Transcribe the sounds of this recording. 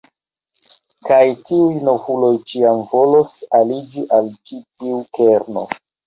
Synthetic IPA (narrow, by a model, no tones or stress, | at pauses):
kajtiujno̞vulo̞jt͡ʃiamvo̞losalid͡ʒiʔalt͡ʃitiukeɾno̰